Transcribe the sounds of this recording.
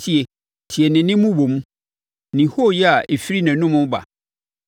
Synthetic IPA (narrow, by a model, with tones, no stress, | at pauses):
tʰi˦e˨ | tʰi˨ɛ˨nɪ̃˨nɪ̃˦mʊ̃˦wõ˨mũ˦ | nɪ̃˨ho˦˨jɛ˦a˨ʔe˨fi˦ɾi˦nɛ̃˨˦nʊ̃˦mʊ̃˦ba̰˨